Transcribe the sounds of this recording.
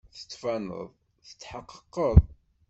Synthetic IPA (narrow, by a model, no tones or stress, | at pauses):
θə̥t͡sːfænə̰ðˤ | θə̥t͡sːħəqːə̥qːəðˤ